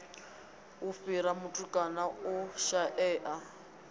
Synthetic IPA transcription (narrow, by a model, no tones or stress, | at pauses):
ʊfiɾamʊtʼukʼanaʊʃaʔɛːʔa